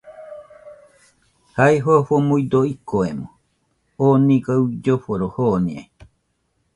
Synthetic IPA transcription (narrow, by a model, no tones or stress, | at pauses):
hajɦoaɸomuid̪oikoemo | oniɡawd͡ʒoɸoɾohoːnia̰i